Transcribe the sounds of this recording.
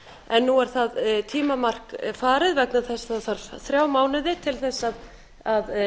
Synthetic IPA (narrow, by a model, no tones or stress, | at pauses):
ɛnːuɛɾ̥θaðt̪ʰiːmamar̥kfaːɾɪðvɛk̚naθɛsaθaɾθɾjaːwmaːwnɪðɪt̪ʰɪlθɛsːað | að